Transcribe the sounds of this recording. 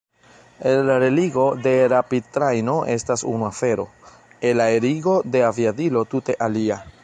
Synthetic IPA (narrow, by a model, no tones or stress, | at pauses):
enːaɾe̞liɡo̞de̞ɾapitɾajno̞ʔe̞stasṵnuafe̞ɾo̞̰ | elaeɾiɡo̞de̞aviadilo̞tute̞ʔalia